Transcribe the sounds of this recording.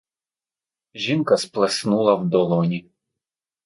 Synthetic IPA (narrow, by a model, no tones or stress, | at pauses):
ʒʲinkɐsplˠesnulˠɐwd̪ɔlˠɔnʲi